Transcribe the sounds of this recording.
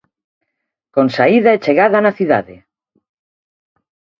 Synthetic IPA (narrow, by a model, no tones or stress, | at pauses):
konsaiðaet͡ʃeɣaðanaθiða̰ðḛ